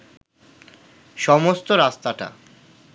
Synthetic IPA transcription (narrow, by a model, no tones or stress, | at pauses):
ʃɔmost̪oɾast̪aʈa̰